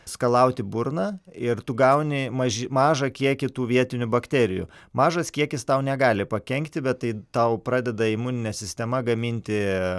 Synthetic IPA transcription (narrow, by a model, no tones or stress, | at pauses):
skɐlˠɐʊt̪ʲɪbʊrnɑːɪrt̪ʊɡɐʊnʲɪmɐʒʲɪmɑːʒɐkʲiɛkʲɪt̪uːʋʲiɛt̪ʲɪnʲʊbɐkt̪ʲæːɾʲɪjṵmɑːʒɐskʲiɛkʲɪst̪ɐʊnʲɛɡɑːlʲɪpɐkʲɛŋʲkt̪ʲɪbʲɛt̪t̪ːɐɪt̪ɐʊpɾɑːd̪ʲɛd̪ɐɪmuːnʲɪnʲɛsʲɪsʲt̪ʲɛmɐɡɐmʲɪnʲt̪ʲɪ